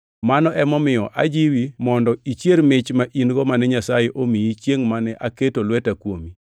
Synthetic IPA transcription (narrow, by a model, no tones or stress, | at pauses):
manɔʔɛmɔmɪjɔʔa̰d͡ʒiwimɔndɔit͡ʃjermɪt͡ʃmaʔinɡɔmanɛɲasajeʔomiit͡ʃjeŋmanɛʔaketolwɛtakwomi